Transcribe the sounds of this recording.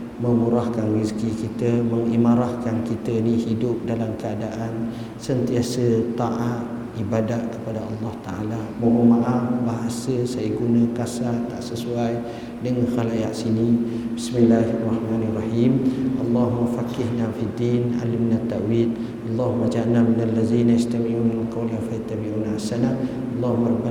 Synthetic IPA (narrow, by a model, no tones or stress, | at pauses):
məmuɾahkanriskikit̪əməŋimaɾahkankit̪əinihidʊp̚dalamkəadaʔan | sənt̪iasət̪aʔat̪̚ | ʔibadaʔkəpadaʔɑlːɑht̪a̰ʔa̰lamoʔomaʔafbaɦasəsajəɡunəkasat̪aʔsəsuaj | dəŋanxalajaʔsinibismilːaɦarˤːɑhmaːnrˤɑhiːmʔɑlˤːɑɦumːafakɪhnafid̪ina̰limnat̪ːaʔwid̪̚ | ʔɑlˤːɑɦumːad͡ʒanaminalːazinaist̪amimninalkawlafat̪ːabiʔunasana | ɑlˤːɑɦumaba